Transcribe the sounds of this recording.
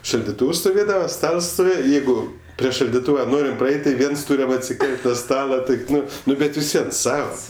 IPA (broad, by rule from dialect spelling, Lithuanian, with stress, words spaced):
ʃɐlʲdʲɪˈtuːws stoːˈʋʲeːdɐʋɐ ˈstɐlˠs stoːˈʋʲeːjɛ ˈjɛɪɡʊ pʲrʲiɛ ʃɐlʲdʲɪˈtuːʋɐ ˈnoːrʲɪm prɐˈɛɪtʲ tɐɪ ˈʋʲiɛns ˈtuːrʲɛm ɐtʲsʲɪˈkʲɛlʲtʲ nʊ ˈstɑːlˠɐ ˈtɐɪp ˈnʊ ˈnʊ ˈbʲɛt ʋʲɪsʲˈʋʲiɛn ˈsɑːʋɐ